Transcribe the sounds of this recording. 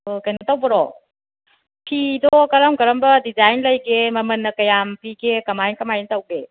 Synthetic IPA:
ɯkɐjnɐtɐwbɐɾɔ̰ | pʰidɔkɐɾamkɐɾɐmbɐdizajnlɐjɡemɐmɐnːɐkɐjampiɡekɐmajnkɐmajnɐtɐwɡe

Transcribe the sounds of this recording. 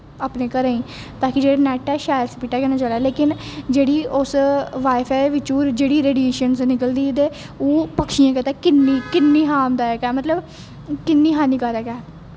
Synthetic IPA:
aːpneːkəɾaːĩː | t̪aːkɪd͡ʒeːɽaːnɛːʈɛːʃaːjəɾspiːʈːaːkɛːnãːt͡ʃalɛːleːkɪnd͡ʒeːɽiːʊsʋaːɪfʰaːʋɪt͡ʃuːɾd͡ʒeːɽiːɾeːɖieːʃənsnɪkəld̪iːd̪eː | oːpəkʃijãːkɛt̪aːkɪnːiːkɪnːiːɦaːmd̪aːɛːkɛːmət̪ləb | kɪnːiːɦaːniːkəɾɛːkɛː

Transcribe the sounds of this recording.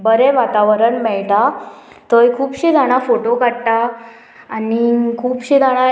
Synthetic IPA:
bəɾɛʋat̪aʋəɾəɳmɛɭt̪a | t̪əjkʰuːbɕed̪ʱaɽ̃afoʈokaɽʈaː | nikʰuːbɕed̪ʱaɽ̃a

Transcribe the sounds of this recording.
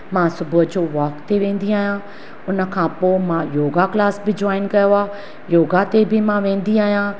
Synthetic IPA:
mãːsʊbʊd͡ʑoːʋɔːkt̪eʋẽːn̆d̪iaːɦijãː | ʊnə̆kʰãːpoːmãːjoːɡaklaːsbʱɪd͡ʑwaːɪnkɐjoaː | joːɡat̪ebʱɪmãːʋẽːn̆d̪iaːɦijãː

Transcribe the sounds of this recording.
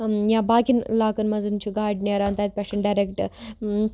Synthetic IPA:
jãbaːkinlaːkɐnmɐd͡zunt͡ʃʰiɡaːɖneɾaːnt̪ajt̪̚pʲɛʂeɳɖaɾekʈ

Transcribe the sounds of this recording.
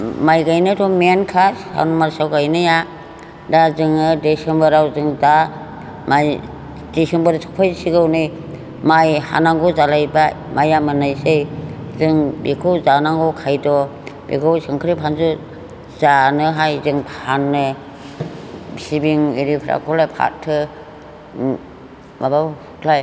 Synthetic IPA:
majɡajnɯdɔmenkʰasha̰wnumaɾsawɡajnɯja | dazɯŋɯdesembɯɾawzɯŋda | maj | d̥isembɯɾsʰɔ̥pʰajsiɡawnɯj | majha̰naŋɡɔzalajba | mʔajamɯnajsejzɯŋbikʰɯwzanaŋɡɔkʰajdɔbḭkʰɯwsɯŋkʰɾipʰanzu | z̥anɯɦajzɯŋphanːɯ | sibiŋiɾipʰɾa̰kʰɔlapʰa̰ttʰːɯ | maba | kʰlaj

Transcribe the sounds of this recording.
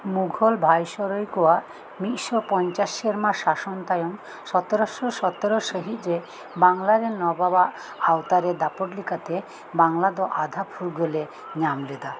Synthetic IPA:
muɡʱolbʱajʃɔɾojkowa | miʔʃopɔɲt͡ʃaʃeɾmaʃaʃɔnt̪ajɔm | ʃɔt̪eɾoʃoʃɔt̪ɔɾoʃəɦit̪d͡ʒe | baŋlaɾenɔbaba | awt̪aɾed̪apoʈlikat̪e | baŋlad̪ɔʔad̪ʱapʰuɾɡole | ɲamled̪a

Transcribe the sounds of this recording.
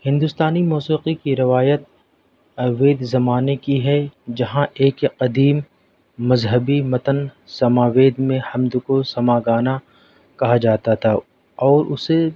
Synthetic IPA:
hɪ̃nd̪ʊst̪aːnimɔːsiːqikiɾɪʋaːjət̪̚ | ʋeːd̪zɐmaːnekiɦɛd͡ʒɐɦãʔeːkqɐd̪iːmː | ɐzɦəbimɐt̪ənsɐmaːʋeːd̪mẽhɐmd̪kosɐmaːɡaːna | kɐɦad͡ʒaːt̪at̪ʰa | ɔːɾʔʊ̰se

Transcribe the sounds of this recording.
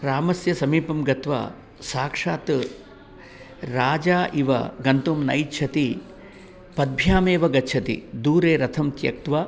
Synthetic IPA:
ɾaːmɐsjɐsɐmiːpɐmɡɐt̪ʋa̰ː | saːkʂaːt̪ | ɾaːd͡ʒaːʔiʋɐ̰ɡɐnt̪uːmnɐ̰jt͡ʃʰɐt̪i | pɐd̪̚bʱjaːmeːʋɐɡɐt͡ʃʰɐt̪ḭd̪uːɾeːɾɐt̪ʰɐmt̪jɐ̰k̚t̪ʋa

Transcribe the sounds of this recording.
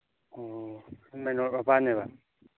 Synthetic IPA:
ɔ | mɛnɔapanɛβa

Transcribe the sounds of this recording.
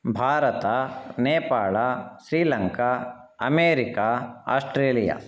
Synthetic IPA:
bʱaːɾɐt̪aneːpaːɭasɾiːlɐŋka | ɐ̰meːɾikaːa̰ːsʈɾeːlija̰ː

